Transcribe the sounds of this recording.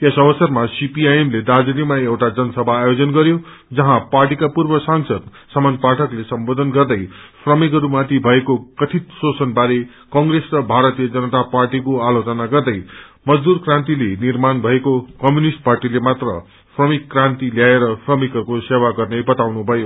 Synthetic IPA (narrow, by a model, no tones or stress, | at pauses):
esʌbʌsʌrmasipiajemled̪ad͡zilimaewʈad͡zʌnʌsʌbʱaːjod͡zʌnɡʌɾjo | d͡zʌɦãparʈikapurbʌsaŋsʌd̪ | sʌmanpaʈʰʌklesʌmbod̪ʱʌnɡʌrd̪ʌjpʰrʌmikʌɾumat̪ibʱʌekokʌt̪ʰit̪sosʌnbaɾe | kʌŋɡresrʌbʱaɾʌt̪ijʌd͡zʌnʌt̪aparʈikoalot͡sʌnaɡʌrd̪ʌjmʌd͡zd̪urkrãnt̪̬ilenirmanbʱʌekokʌmjunisʈ̚parʈilemat̪rʌ̰ | pʰrʌmikːrãnt̪iljaeɾʌpʰrʌmikʌrkosewaɡʌrnʌjbʌt̪awnubʱʌjo